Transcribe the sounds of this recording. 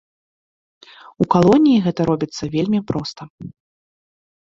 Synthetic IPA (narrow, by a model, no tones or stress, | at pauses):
ukalˠɔnʲijiɣɛt̪ɐɾɔbʲit̪sːɐvʲelʲmʲipɾɔst̪ɐ